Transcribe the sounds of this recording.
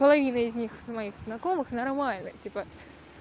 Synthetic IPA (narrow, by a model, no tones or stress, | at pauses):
pəlˠɐvʲinəɪzʲnʲixzmɐixznɐko̞mɨxnɐrmalʲnɨ̰tʲipə